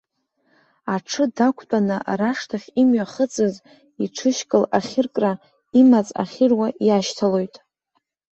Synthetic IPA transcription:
aʈ͡ʂʰɨdakʷʰt͡pʷʼanɨraʂtʰaχʲimɥaχət͡sʼɨz | iʈ͡ʂʰɨʃkʼɨlaχʲɪrkʼra | imat͡sʼa̰χʲɪrwajaʃtʰalo̞jtʼ

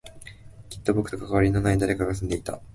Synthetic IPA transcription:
kʲi̥t̪ːo̞bo̞kɯ̥t̪okakaβaɾʲino̞naid̪aɾe̞kaɡas̬ɨ̃nd̪e̞it̪a̰

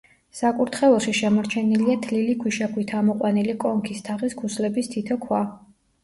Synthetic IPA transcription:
sakʼuɾt̪ʰχɛlˠɔʃiʃɛmɔɾt͡ʃʰɛniliat̪ʰlilikʰwiʃakʰwit̪ʰamɔqʼwanilikʼɔŋkʰist̪ʰaʁiskʰuslɛbist̪ʰit̪ʰɔkʰwa

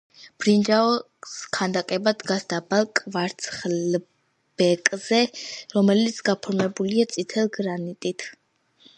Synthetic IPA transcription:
b̥ɾind͡ʒaɔ | skʰand̪akʼɛbad̪ɡasd̪abalˠkʼvaɾt̪sʰχl | b̥ɛkʼzɛɾɔmɛlit̪sʰɡapʰɔɾmɛbuliat̪sʼit̪ʰɛlˠɡɾanit̪ʼit̪ʰ

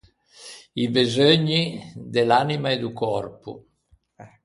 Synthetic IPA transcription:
ibezøɲːid̪elanimaed̪ukɔrpṵ

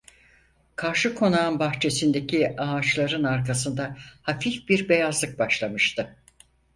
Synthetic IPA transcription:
kʰaɾʃɯkʰo̞naːnbaxt͡ʃʰe̞sind̪e̞cʰiaːt͡ʃlˠaɾɯnaɾkasɯnd̪ahafifbiɾbe̞jazlˠɯk̚baʃlˠamɯʃt̪ɯ

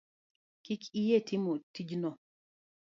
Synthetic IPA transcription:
kɪkʰijetʰɪmotid͡ʒnɔ

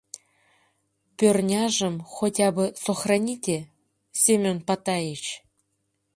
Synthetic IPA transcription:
pʲørnʲaʐə̆mxotʲabɤsoxrɐnʲitʲe | sʲemʲonpat̪ajet͡ɕ

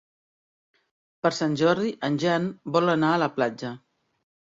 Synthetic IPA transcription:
pəɾsanʲʒɔɾðiʔənʲʒanbɔlənaələplad͡ʒə

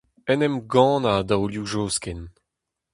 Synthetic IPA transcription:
ɛnɛmɡɑ̃ːnad̪awljuʒoːskɛn

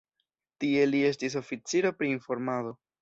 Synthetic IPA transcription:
tie̞lie̞stis̬o̞fit͡siɾopɾiːnfo̞ɾmado̞

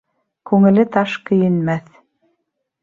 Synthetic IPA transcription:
kʉŋɘ̆lɘt̪ɑʃkɵ̆jɘ̆nmæθ

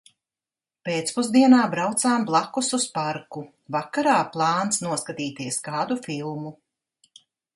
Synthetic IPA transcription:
peːt̪spuzd̪iɛnaːbɾawt̪saːmblˠakususpaɾku | vakaɾaːplˠɑːnsnuɔskat̪iːt̪iɛskaːd̪ufilˠmu

